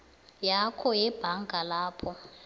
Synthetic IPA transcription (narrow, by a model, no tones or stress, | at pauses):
jakʰɔjɛb̥ʱaŋɡʱalaːpʰɔ